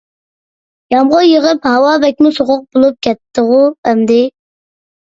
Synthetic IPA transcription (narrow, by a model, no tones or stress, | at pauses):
jɑmʁʊjəʁəphɑwɑːbɛk̚ʲmusoʁʊq̚bolˠup̚kʲʰɛt̪ʰːəʁuɛmd̪ɪ